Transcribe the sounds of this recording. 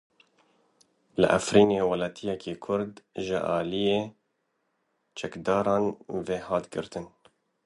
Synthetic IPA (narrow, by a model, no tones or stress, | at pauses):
lɨ̰ʔa̰fɾiːneːwɐlɑːt̪ʰijɛkʰeːkʰʊɾd̪ʒɪ̰ʔɑ̰ːlijeː | t͡ʃʰɛkd̪ɑːɾɑːnveːhɑːt̪ɡɨ̰ɾt̪ɨn